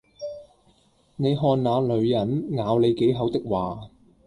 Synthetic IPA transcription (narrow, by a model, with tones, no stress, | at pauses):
ne˨˧jɦɔː˨nnaː˨˧lɵ˨˧ɥjɐ˨˥nŋaː˨˧wle˨˧jke˨˥jɦɐ˨˥wt̪ɪ˥k̚waː˨